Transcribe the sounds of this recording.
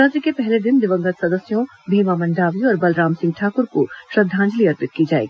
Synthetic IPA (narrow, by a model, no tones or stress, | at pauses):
at̪ɾikepɛɦled̪ɪnd̪ɪʋə̃ŋɡət̪sɐd̪əsjõ | bʱiːmamɐ̃ɳɖaːʋiɔːɾbɐlɾaːmsɪ̃ŋɡ̚ʈʰaːkʊɾkoʃɾɐd̪ʱːãːɲd͡ʒliɐɾpɪt̪̚kid͡ʒaːḛːɡi